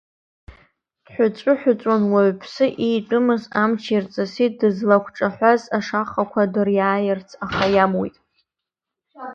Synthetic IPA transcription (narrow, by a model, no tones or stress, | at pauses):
d̥ħʷᶣʊt͡ʃʷʼʊħʷᶣʊt͡sʷʼanwaɥpʰsɨʔejtʷʼʊmɨzamt͡ʃʰirt͡sʼasit̚ʰʼdɨzlakʷʰʈ͡ʂʼaħʷazaʂaχakʷʰadɨrjaːjɪrt͡sʰaχajamwḭjtʼ